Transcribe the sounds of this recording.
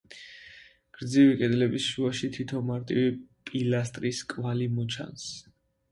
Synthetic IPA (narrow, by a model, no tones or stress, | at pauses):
ɡ̥ɾd̪zivikʼɛd̪lɛbisʃuaʃit̪ʰit̪ʰɔnmaɾt̪ʼivipʼilast̪ʼɾiskʼvalimɔt͡ʃʰa̰ns